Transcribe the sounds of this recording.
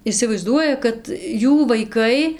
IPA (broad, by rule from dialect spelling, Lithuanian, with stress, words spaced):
ɪsʲɪʋɐɪˈzduɔjɛ kɐt ˈjuː ʋɐɪˈkɐɪ